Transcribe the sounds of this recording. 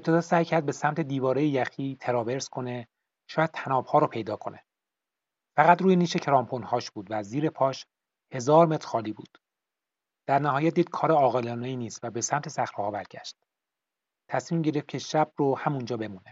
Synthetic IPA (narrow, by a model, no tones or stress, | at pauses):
ʔept̪ʰe̞d̪ɒːsæːjcʰæɾd̪̚be̞sæmt̪ʰe̞d̪iːvɒːɾejejæxiːt̪ʰeɾɒːve̞ɾskʰo̞ne | ʃɒːjæd̪̥̚t̪ʰænɒːb̥hɒːɾopʰe̞jd̪ɒːkʰo̞ne | fæɣæt̪ɾuːjeniːʃecʰɾɒːmpʰonhɒːʃb̥uːd̪væziːɾe̞pʰɒːʃ | he̞zɒːɾme̞t̪ɾ̥xɒːliːbṵːd̪̥ | d̪̥æɾnæɦɒːjæt̪̚jiːtkʰɒːɾeɒːɣelɒːneiːniːst̪væbe̞sæmt̪ʰe̞sæxɾehɒːbæɾɟ̥æ̰ʃt̪̚ | t̪ʰæsmiːmɟe̞ɾeft̪̚cʰe̞ʃæb̥̚rohæmund͡ʒɒːbe̞muːne